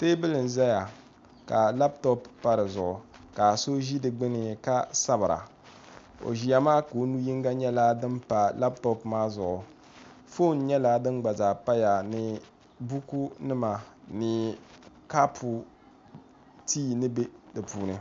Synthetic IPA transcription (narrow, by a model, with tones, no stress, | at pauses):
teː˦bɨ˦lɨ˨n˨za˦ja˨ | ka˨la˦p̚to˦ppːa˦ɾɨ˨zʊ˨ʔʊ˨ka˨so˦ʒi˦dɨ˨ɡ͡bɨ˦nɨ˨ka˦sa˦bɨ˨ɾa̰˨ | o̰˨ʒi˨ja˦maː˦ko˨˦nu˦ji˦ŋɡa˦ɲɛ˦la˦dɨ˦mpa˨la˦ptɔ˦pmaː˦zʊ˨ʔʊ˨ | fo˦˨n˦ɲɛ˦la˦dɨ˦nɡ͡ba˨zaː˨pa˦ja˨nɨ˨ | bu˦ku˦nɨ˦ma˨nɨ˨ | ka˦pʰu˨ | tiː˦nɨ˦be˦dɨ˨puː˦nɨ˨